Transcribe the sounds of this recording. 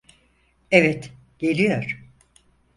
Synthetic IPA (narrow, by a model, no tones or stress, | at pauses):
ɛvɛt̪ | ɟ̥elʲijoɾ̥